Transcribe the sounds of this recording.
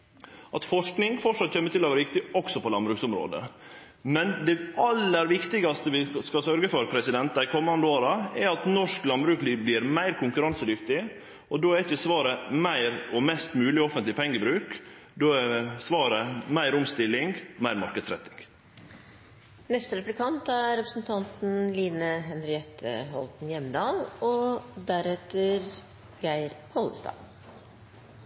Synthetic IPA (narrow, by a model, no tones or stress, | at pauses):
ʔɑt̪fɔʂknɪŋfɔʂɑt̪çɛmːət̪ɪlːɔʋæːɾʋɪk̚t̪ɪɔksɔpɔlɑnbɾʉːksʊmɾo̰ːd̪ə̰ | mɛnd̪ɛɑlːəɾʋɪkt̪ɪɡɑst̪əʋɪskɑsœɾɡəfɔɾpʰɾɛsɪd̪ɛnt̪ɑɪkʰɔmːɑnd̪əoːɾɑɛɾɑt̪nɔʂklɑnbɾʉːkliːblɪɾmæɪɾkʰʊŋkʉɾɑnsəd̪ʏkt̪ɪ | ɔd̪oːæɪçəsʋɑːɾəmæɪɾɔmɛst̪mʉːlɪɔfənt̪lɪpʰɛŋːəbɾʉːk | d̪oːɛsʋɑːɾəmæɪɾʊmst̪ɪlːɪŋɡmæɪɾmɑɾkəd̪sɾɛ̰t̪ːɪŋɡ | nɛst̪əɾɛplɪkʰɑnt̪æɾɛpɾəsn̩t̪ʰɑnt̪n̩liːnəɦɛnɾɪɛt̪ʰːə̰ɦɔ̰lt̪n̩jɛmːd̪ɑːlɔd̪æɾɛt̪əɾ | ɡæɪɾhʰɔlə̰st̪ɑ̰ː